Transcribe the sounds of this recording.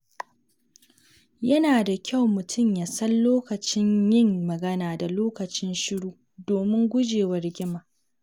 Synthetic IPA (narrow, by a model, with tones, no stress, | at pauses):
jɐ˦naː˨da˨kʲʰa˦˨wmʊ˨tʰʊ˦˨mjaː˨sɐ˦nloː˦kɐ˨t͡ʃɪ˦ɲjɪ˦ŋːɐ˨ɡɐ˦naː˨da˨loː˦kɐ˨t͡ʃɪ˦nʃɪ˦ɽuː˦ | doː˨mɪ˦ŋɡʷʊ˦d͡ʒeː˨wɐ˦rɡʲɪ˦maː˨ʔ